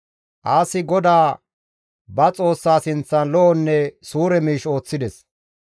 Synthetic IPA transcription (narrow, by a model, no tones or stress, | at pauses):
ʔaːsɪɡɔd̪aː | bɐt͡sʼo̞ːsːaːsɪnt͡sːɐnlɔʔɔnːɛsuːɾɛmiːʃo̞ːt͡sːɪd̪ɛs